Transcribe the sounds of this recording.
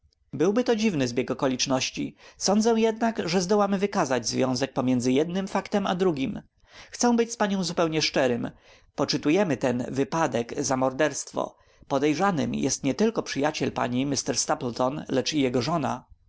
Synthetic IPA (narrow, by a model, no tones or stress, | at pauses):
bɘwbɘt̪ɔd͡ʑivnɘzbʲjɛɡɔkɔlʲit͡ʂnɔɕt͡ɕisɔnd̪zɛw̃jɛd̪nakʐɛzd̪ɔwamvɘkazad͡ʑzvʲjɔ̃w̃zɛk̚pɔmʲjɛnd̪zɘjɛd̪nɘmfakt̪ɛma̰d̪ɾuɡʲim | xt̪sɛ̃w̃bɘt͡ɕspaɲɔ̃w̃zupɛwɲɛʂt͡ʂɛɾɘm | pɔt͡ʂɘt̪ujɛmɘt̪ɛnvɘpad̪ɛɡzamɔɾd̪ɛɾst̪fɔ̰ | pɔd̪ɛjʐanɘ̰mjɛ̰st̪ɲɛt̪ɘlkɔpʂɘjat͡ɕɛlpa̰ɲimist̪ɛɾst̪aplt̪ɔnlɛt͡ʂijɛɡɔʐɔna̰